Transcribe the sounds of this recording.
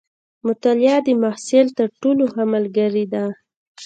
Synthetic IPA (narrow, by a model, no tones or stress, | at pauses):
mʊt̪aljɑd̪əmahsɪlt̪əɾʈolohamalɡaɾid̪a